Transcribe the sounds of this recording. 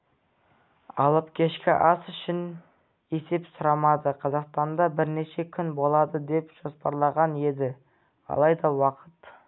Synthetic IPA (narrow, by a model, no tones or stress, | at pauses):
ɑ̰lˠəpkʲʰe̞ʃkʲɪ̰ʔɑsʏʃɪn | e̞se̞psʊɾɑmɑd̪əqʰɑzɑqst̪ɑnd̪ɑbɪɾne̞ʃe̞kʲʰʏnbo̞lˠɑd̪əd̪e̞pʒ̥o̞spɑɾlˠɑʁɑne̞d̪ɪ | ɑ̰lˠɑjd̪ɑwɑqət̪